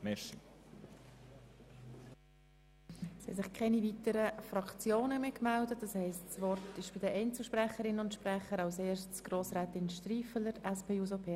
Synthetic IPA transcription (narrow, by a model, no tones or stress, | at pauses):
mɛʃi | shɛ̰sɪχkʰɛnivitəɾəfrɑkt͡sjoːnəmekmɛldət̚d̥ɑshɛɪstsvɔɾtɪʃb̥ɪdəʔɛɪnt͡səlʃprɛχəɾɪnʊntʃprɛχəɾɑʊseːʃtsɡ̥roːsɾɛːtɪnʃtriːfələɾʔɛspʰeːuzopʰeː